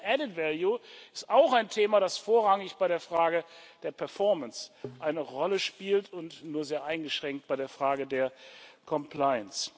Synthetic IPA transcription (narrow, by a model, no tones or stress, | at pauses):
ʔɛdɪtvɛljuɪstaʊxaɪntʰeːmaɾasfoːɐʁaŋɪçb̥aɪɾeːɐfʁ̥aːɡəd̥eːɐpʰɛɐfɔɐmənsʔaɪnəʁɔləʃpiːltʰʊntnuːɐzeːɐʔaɪnɡəʃʁ̥ɛŋk̚t̚b̥aɪɾeːɐfʁ̥aːɡədeːɐkʰɔmpʰl̥aɪəns